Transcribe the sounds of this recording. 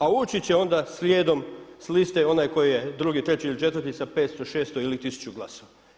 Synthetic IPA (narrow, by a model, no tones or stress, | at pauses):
auːt͡ɕit͡ɕe̞o̞nd̪asljeːd̪o̞mslist̪eo̞najko̞jijed̪ɾuɡit̪ɾe̞t͡ɕiilit͡ʃe̞t̪ʋərt̪isapeːt̪st̪oʃeːst̪oilit̪isu̥t͡ɕuɡlˠasoʋa